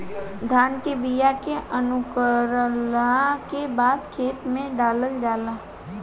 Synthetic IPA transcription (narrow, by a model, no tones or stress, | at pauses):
d̪ʱaːnkebijakeʔənʊkəɾlakebaːd̪kʰeːt̪mẽɖaːləld͡ʒaːlaː